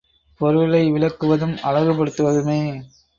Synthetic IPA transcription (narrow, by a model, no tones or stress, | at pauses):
pɔɾɯɭɐɪʋɪɭɐkːɯʋɐðɯmɐɻɐɣɯpːɐɽɯt̪ːɯʋɐðɯmeː